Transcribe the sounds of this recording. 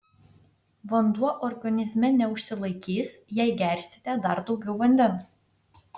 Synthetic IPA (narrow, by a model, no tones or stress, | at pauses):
ʋɐnd̪uɔʔɔɾɡɐnʲɪzʲmʲɛnʲɛʊʃʲsʲɪlˠɐɪkʲiːsjɛɪɡʲæˑɾʲsʲt̪ʲɪt̪ʲæːd̪ɐɾd̪ɒʊɡʲɛʊʋɐnʲd̪ʲɛns